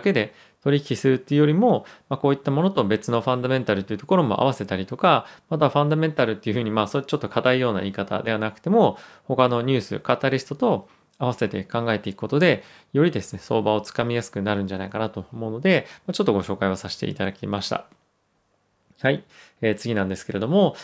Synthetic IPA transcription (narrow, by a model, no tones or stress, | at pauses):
ke̞d̪e̞ | t̪o̞ɾʲiçʲkʲisɨɾɯ̟t̪ːeɯ̟jo̞ɾʲimo̞mako̞ːit̪ːamo̞no̞t̪o̞be̞t͡sɨno̞ɸãnd̪amẽ̞nt̪aɾɯt̪ːeiɯ̟t̪o̞ko̞ɾo̞mo̞̰ʔa̰β̞ase̞t̪aɾʲit̪o̞kamat̪aɸãnd̪ament̪aɾɯ̟t̪ːeiɯ̟ɸɯ̟ːɲ̟imaːsot͡ɕo̞t̪ːo̞kʰat̪aijo̞ːna̰iːkat̪a̰d̪e̞β̞anakɯ̟̥t̪e̞mo̞ | ho̞kano̞ɲ̟ʲɨːsɨ̰kat̪aɾʲisɨ̥t̪o̞t̪o̞ | aβase̞t̪e̞kãŋɡae̞t̪e̞ikɯ̟̥ko̞t̪o̞d̪e̞ | jo̞ɾʲid̪e̞sɨne̞so̞̰ːbao̞t͡sɨ̥kamʲijasɨ̥kɯ̟naɾɯ̟̃n̟d͡ʑanaikanat̪o̞omo̞ɯno̞d̪e̞mat͡ɕo̞t̪ːoɡo̞ɕo̞ːkaiosaɕi̥t̪ḛḭt̪ad̪akʲḭmaɕi̥t̪a̰ | hai | eːt͡sɨɡʲinãnd̪e̞sɨ̥ke̞ɾe̞d̪o̞mo̞